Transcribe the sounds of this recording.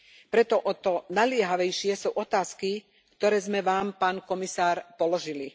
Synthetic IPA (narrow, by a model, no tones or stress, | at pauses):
pɾɛt̪ɔʔɔt̪ɔnalɪɛɦaʋɛjʃɪɛsuːʔɔt̪aːski | kt̪ɔɾɛːzmɛʋaːmpaːnkɔmisaːɾpɔlɔʒili